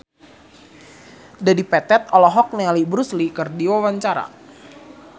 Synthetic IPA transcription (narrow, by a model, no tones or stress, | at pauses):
dadipɛt̪ɛt̪̚ɔlɔɦɔk̚nealibɾuslikərdiwawaɲt͡ʃaɾa̰